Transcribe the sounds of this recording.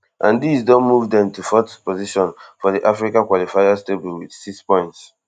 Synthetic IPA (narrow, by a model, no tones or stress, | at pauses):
ʔãndisdɔ̃nmuvdɛ̃mtufɔtpɔziʃɔ̃nfɔdiʔafɹikãkwɔlifaɪasteblĩŋwid̥sikspɔ̃ɪ̃nts